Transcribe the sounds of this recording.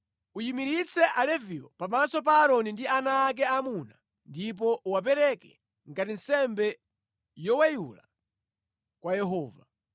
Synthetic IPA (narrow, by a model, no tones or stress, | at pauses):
ujimiɾit͡sʰɛʔalɛviɔpamasɔp̬aːɾɔnindianaːk̬ɛamuna | ndip̬ɔʔuwap̬ɛɾɛkɛ | ŋɡatinsɛmbɛ | jɔwajṵla̰ | kwajɛɦɔːva